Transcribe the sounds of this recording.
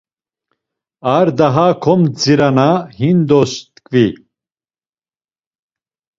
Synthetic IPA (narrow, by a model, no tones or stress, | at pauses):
aɾd̪aɦakʰɔmd͡ziɾanahind̪ɔst̪kʼvi